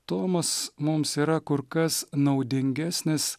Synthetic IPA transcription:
t̪oːmɐsmʊmsiːɾɐkʊɾkɐsnɐʊd̪ʲɪŋʲɡʲæsʲnʲɪs

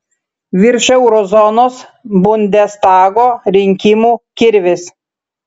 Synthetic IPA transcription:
ʋʲɪɾʲʃɛʊɾɔzɔnoːsbʊnʲd̪ʲɛst̪ɑːɡoːɾʲɪŋʲkʲɪmuːkʲɪɾʲʋʲɪs

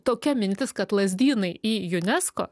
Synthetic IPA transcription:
t̪oːkʲɛmʲɪnʲt̪ʲɪskɐt̪lˠɐzʲd̪ʲiːnɐɪiːjʊnʲɛsko̰ː

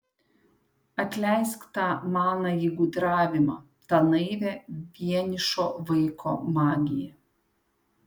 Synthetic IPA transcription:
ɐt̪ʲlʲɛˑɪskt̪ɑːmɑːnɑjiɪɡʊd̪ɾɑːʋʲɪmɑ̰ː | t̪ɑnɐɪʋʲeʋʲiɛnʲɪʃoːʋɐɪkʰoːmɑːɡʲɪjɛ

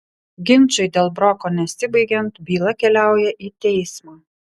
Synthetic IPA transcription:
ɡʲɪnʲˑt͡ʃʲʊɪd̪ʲeːlˠbɾɔkoːnʲɛsʲɪbɐɪɡʲɛnt̪bʲiːlˠɐkʲɛlʲæˑʊjɛʔiːt̪ʲɛɪsmaː

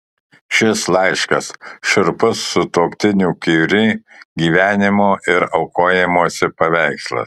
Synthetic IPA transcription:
ʃʲɪslˠɐɪʃkɐsʃɪɾpʊsːʊt̪oːkt̪ʲɪnʲuːkʲiɾʲɪɡʲiːʋʲæːnʲɪmoːʔɪɾɐʊkoːjɛmoːsʲɪpɐʋʲæɪkslˠɐ̰s

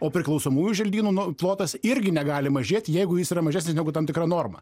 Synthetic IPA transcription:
oːpʲɾʲɪklˠɐʊsoːmuːjʲuʒʲɛlʲd̪ʲiːnuːnʊplˠoːt̪ɐsɪɾʲɡʲɪnʲɛɡɑːlʲɪmɐʒʲeːt̪ʲjɛɪɡʊjɪsiːɾɐmɐʒʲæːsʲnʲɪsnʲɛɡʊt̪ɐmt̪ʲɪkrɐnoːrmɐ

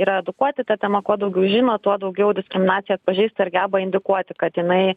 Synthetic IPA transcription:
iːɾɐɛd̪ʊkuɔt̪ʲɪt̪ɑtʲɛmɐkuɔd̪ɐʊɡʲɛʊʒʲɪːnoːt̪uɔd̪ɐʊɡʲɛʊd̪ʲɪsʲkɾʲɪmʲɪnɑːtt͡sʲsʲɪjɛɐt̪̚pɐʒʲiːst̪ɐɪɾɡʲæːbɐɪnʲd̪ʲɪkuɔt̪ʲɪkɐt̪jɪnɐɪ

